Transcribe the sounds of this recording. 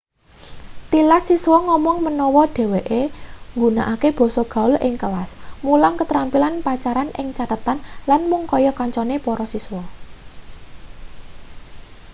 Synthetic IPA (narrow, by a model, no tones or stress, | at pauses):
t̪ilasiswɔŋɔmɔŋmənɔwɔɖ̥e̤weʔeŋɡunaʔakeb̥ɔ̤sɔɡ̥a̤ʊlʔɪŋkəlasmulaŋkət̪ɾampilanpat͡ʃaɾanʔɪŋt͡ʃat̪ət̪anlanmʊŋkɔjɔkɔɲt͡ʃɔnepɔɾɔsiswɔ